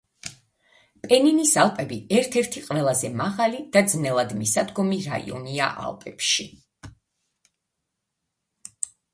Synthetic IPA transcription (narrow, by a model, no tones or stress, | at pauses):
pʼɛninisalˠpʼɛbiɛɾt̪ʰɛɾt̪ʰiqʼwvɛlˠazɛmaʁalid̪̥ad̪znɛlˠad̪misad̪ɡɔmiɾa̰ḭɔ̰nia̰ʔa̰lˠpʼɛpʃi